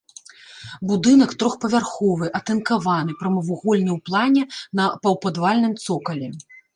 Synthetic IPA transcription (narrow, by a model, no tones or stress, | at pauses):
bud̪ɨnɐkt̪ɾɔxpɐvʲarxɔvɨʔɐt̪ɛnkavanɨpɾɐmɐvuɣɔlʲnʲɛwplˠanʲɛnɐpɐwpad̪valʲnɨmt̪sɔkɐlʲɛ